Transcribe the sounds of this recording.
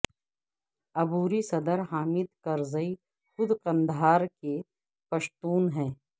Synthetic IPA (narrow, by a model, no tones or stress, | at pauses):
ɐbuːɾisɐd̪əɾɦaːmɪd̪kɐɾzəi | xʊd̪qɐ̃nd̪ʱaːɾke | pɐʃt̪uːnɦɛ̃ː